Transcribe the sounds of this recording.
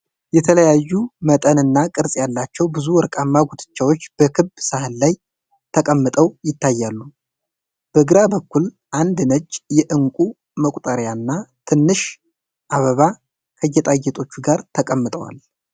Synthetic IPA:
jɛt̪ʰələjajːumət̪ʼənɨnːakʼɨɾsʼjalːat͡ʃːɛwbɨzuwɔɾkʼamːaɡut̪ʰʼɨ̥t͡ʃːawo̞t͡ʃːb̥əkʰɨbsahɨnlaj | t̪ʰəkʼəmːɨt̪ʼəwjɪt̪ʰːajːalːu | b̥əɡɨɾabəkːul | ʔand̪nəd͡ʒːjɛʔɨŋkʼu | məkʷʼt̪ʼəɾjanːat̪ʰɨnːɨʃ | ʔaβəβa | kʰəjːɛt̪ʼajɛt̪ʼo̞t͡ʃːuɡaɾt̪ʰəkʼəmːɨt̪ʼə̰wa̰l

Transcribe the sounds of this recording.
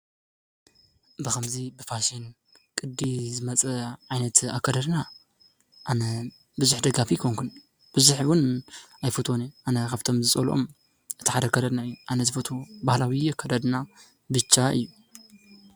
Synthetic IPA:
bɨkɐmzibɨfʰaʃin | kʼɨd̪ːizɨmɐt͡sʼɐʕajnɐt̪a̰kʰɐd̪ɐd̪na | ʔanɐ | bɨzuħd̪ɐɡafikʰoŋkʰun | b̥ɨzuħwʊnajfot̪ʰoniʔanɐkʰaβt̪ʰo̞mzɨt͡sʼɐlʔo̰m | ʔɨt̪ʰi̥ħad̪ɐkʰɐd̪ɐd̪naɨjːuʔanɐzɨfot̪ʰobahlawiɛkʰːɐd̪ɐd̪na | bɨt͡ʃʰːaʔɨ̰jːu

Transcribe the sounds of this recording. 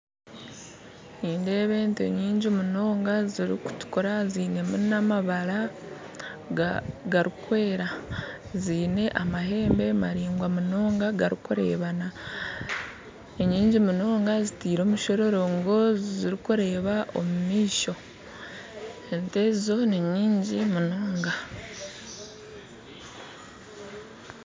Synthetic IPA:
niːndeβe̞ːntḛɲiːɲɟimuno̞ːŋɡaziɾḭku̥tu̥kuɾaziːne̞munamaβaɾa | ɡaɾikwe̞ːɾa | ziːne̞ʔamaɦe̞ːmbe̞maɾiːŋɡwamuno̞ːŋɡaɡaɾikuɾe̞̰ːβana | eɲiːɲɟimuno̞ːŋɡazitiːɾo̞ːmuʃo̞ɾo̞ɾo̞ŋɡo̞ziɾikuɾe̞ːβaʔo̰mumiːʃo̞ | entezizo̞niɲiːɲɟimunoːŋɡa

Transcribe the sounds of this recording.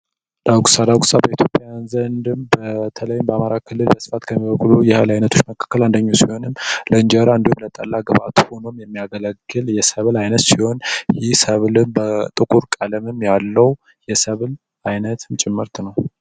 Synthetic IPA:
d̪̥aɡusad̪aɡusabəit̪ʰjo̞pʼjajanzənd̪ɨmbət̪ʰələjːmbəamaɾakʰɨlːɨlbəsɨ̥fat̪kʰəmːiβəkʼːulujɛhəlajnət̪ʰot͡ʃːməkʰḁkːəland̪əɲːawsiho̞nɨmːləɨnd͡ʒəɾand̪umlət̪ʼəlːaɡəβa̰t̪ʰho̞no̞mjɛmːijaɡələɡɨljɛsəβlajnət̪siho̞njɪhsəβlɨmbət̪ʼɨkʼuɾkʼaləmɨmjalːəw | jɛsəβl | ajnət̪nt͡ʃʼɪmːɨɾt̪ʰnəw

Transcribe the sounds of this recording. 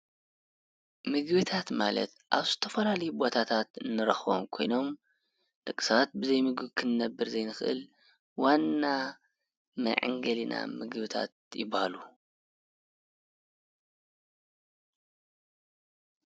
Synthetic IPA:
mɨɡbɨt̪ʰat̪ma̰lɐ̰t̪ʔaβzɨt̪ʰɐfɐlalɐjubo̞t̪ʰat̪ʰat̪ɨnːɨɾɐxo̰mkʰo̞jno̞m | dɨkʼɨ̥saat̪̚bɨzɐjmɨɡɨβkʰɨnːɐbːɨɾzɐjnɨxʔɨ̰l | wanːa | mɐ̰ʕɨ̰ŋɡɐlina̰mɨɡβɨt̪ʰa̰t̪̚jɪbahalu

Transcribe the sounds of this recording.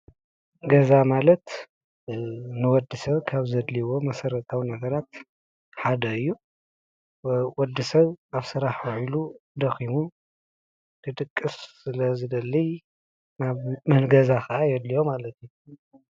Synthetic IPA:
ɡɐzamalɐt̪ | nɨwɔd̪ːɨsɐβkʰaβzɐd̪liwo̞mɐsɐɾɐt̪ʰʼawinɐɡɐɾat̪̚ | ħad̪ɐɨjːu | wɔd̪ːɨsɐβaβsɨɾaħwɐʕilud̪ɐximu | t̪ʰɨt̪ʼɨkʼːɨsːɨlɐzɨd̪ɐlːi | naβmɐnɡɐzakʰɐʔajɛd̪lijo̞malɐt̪ʰju

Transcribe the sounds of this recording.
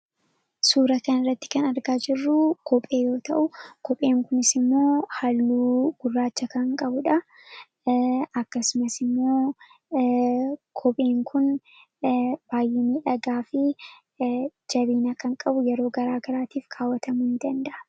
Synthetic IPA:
suːɾɐkɐnɪrːɐt̪ːɪ̥kɐnɐɾɡaːd͡ʒɪrːʊkʰɔpʼe̞ːjo̞ːt̪ɐʔʊkɔpʼe̞ːŋkʊnɪsɪmːo̞ːhalːuːɡ̥ʊrːaːt͡ʃːɐkɐŋkʼɐbʊᶑɐ | ɐkːɐsʊmɐsɪmːo̞ː | kʰɔpʼe̞ːŋkʰʊn | b̥aːjʔɛniːᶑɐɡaːfɪ | d͡ʒɐβiːnɐkɐŋkʼɐbʊjɛɾo̞ːɡɐɾaːɡɐɾaːt̪iːfkʰaːwːɐt̪ʰɐmʊhɪnd̪ɐnd̪ɐʔɐ̥

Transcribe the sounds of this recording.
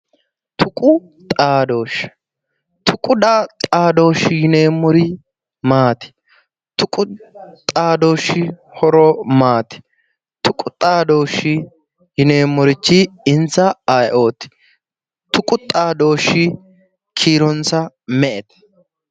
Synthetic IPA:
t̪ʰʊkʼʊ | t̪ʼaːd̪o̞ːʃ | t̪ʰʊkʼʊd̪at̪ʼaːd̪o̞ːʃɪjɪneːmːɔɾɪ | maːt̪ɪ̥ | t̪ʊkʼʊt̪ʼaːd̪oːʃːɪ | hɔɾɔmaːt̪ɪ̥ | t̪ʊkʼʊt̪ʼaːd̪oːʃɪ | jɪneːmːɔɾɪt͡ʃːɪɪnt͡sːɐajʔo̞ːt̪ɪ̥ | t̪ʰʊkʼʊt̪ʼaːd̪o̞ːʃːɪ | kʰiːɾɔnt͡sɐ | mɛʔɛt̪ɛ̥

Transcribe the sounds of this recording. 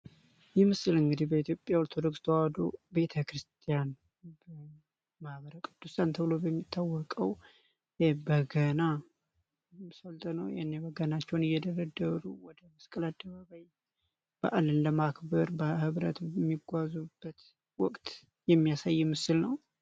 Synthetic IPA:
jɛmɨsɨlɨŋɡɨd̪ihbəit̪jopʼjaoɾt̪ʰo̞d̪o̞kst̪ʰəwad̪o̰be̞t̪ʰəkɾɨst̪ʰijan | bə | mahβəɾəkʼɨd̪ːusant̪ʰəβɨlobəmːit̪ʰːawːɔkʼəw | jɛbəɡəna | səlt̪ʼnəwjɛ̰nːebəɡənat͡ʃːɛwnɪjːɛd̪əɾəd̪əɾuwɔd̪əməskʼəlad̪ːəβaβaj | b̥əʔalɨnləmakbəɾbəhɨβɾə̰t̪mːiɡʷazub̥ːət̪ | wɔkʼt̪ | jɛmːijasajːɛmɨsɨlnəw

